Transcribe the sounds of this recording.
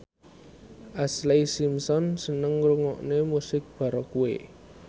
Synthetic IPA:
ʔaslaisimsɔnsənəŋruŋɔ̰ʔnemusɪk̚b̥ä̤ɾɔkuḛ

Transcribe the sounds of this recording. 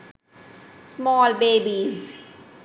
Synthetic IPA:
smɔːlbeːbiz

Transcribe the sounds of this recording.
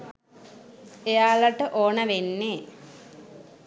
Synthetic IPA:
ejaːlɐʈəʔoːɳəʋenːe

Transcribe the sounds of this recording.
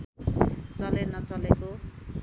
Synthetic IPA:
t͡sʌlenʌt͡sʌleko

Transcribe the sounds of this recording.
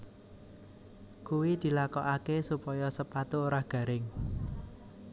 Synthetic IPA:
kuwid̪̥i̤lakɔʔakesupɔjɔsəpat̪uoɾahɡ̥ä̤ɾɪŋ

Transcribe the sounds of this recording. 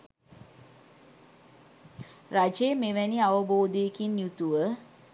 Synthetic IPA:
rad͡ʒemeʋæniaʋəboːd̪eːkinjut̪uʋə

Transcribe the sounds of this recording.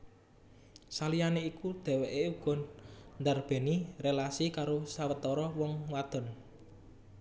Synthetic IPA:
salijaneikud̪̥ɛ̤weʔeuɡ̥ɔ̤nnd̪arb̥e̤nirelasikaɾosawət̪ɔɾɔwɔŋwad̪̥ɔ̤n

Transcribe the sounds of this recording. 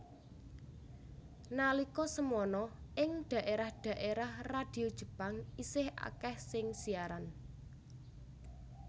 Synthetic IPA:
nalikɔsəmɔnɔʔɪŋd̪̥ä̤ʔeɾahd̪̥a̤ʔeɾahrad̪̥i̤od̥ʒ̥ə̤paŋisɪhʔa̰kɛhsɪŋsiaɾan

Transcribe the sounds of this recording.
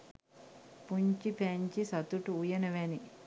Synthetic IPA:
puɲt͡ʃipeɲt͡ʃisɐt̪uʈuːjɐnɐʋeni

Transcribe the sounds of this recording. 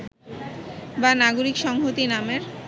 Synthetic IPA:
banaɡoɾikʃɔŋɦot̪inameɾ

